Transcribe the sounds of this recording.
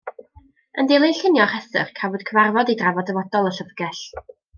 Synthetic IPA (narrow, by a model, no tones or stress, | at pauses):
əndelˠiɬənjɔχɛθə̰χkʰavɔd̥̚kʰəvarvɔdidravɔdəvɔdɔlˠəɬəvɡɛɬ